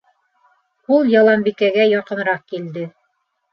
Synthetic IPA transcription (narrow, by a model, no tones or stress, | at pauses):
ulˠjɑlˠɑmbikæɡæjɑqɤ̆nɾɑq̚kild̪ɘ